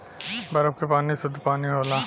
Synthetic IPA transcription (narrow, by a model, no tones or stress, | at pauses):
bɐɾəb̚kepaːnisʊd̪ʱːpaːniɦoːlaː